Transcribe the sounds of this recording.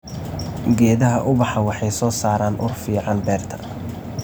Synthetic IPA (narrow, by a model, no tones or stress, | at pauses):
ɡɛːðɐɦɐʔʊbɑħɑwɑħɑjsɔːsaːɾaːnʔʊrfiːʕɑnbɛːrt̪ʰɐ̥